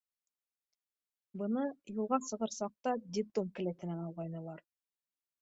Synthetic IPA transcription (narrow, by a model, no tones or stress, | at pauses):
bɤ̆nɤjulˠʁɑsɤ̆ʁɤɾsɑq̚t̪ɑd̪ʲipd̪omkɘ̆læt̪ɘ̆nænɑw̪ˠʁɑjnɤ̆lˠɑɾ